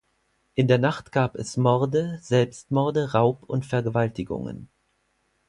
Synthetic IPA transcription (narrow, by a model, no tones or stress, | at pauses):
ʔɪndeːɐnaχtɡ̥aːpɛ̰smɔʁdəz̥ɛlpstmɔɐdəʁaʊpʊntfɛɐɡəvaltɪɡʊ̰ŋə̰n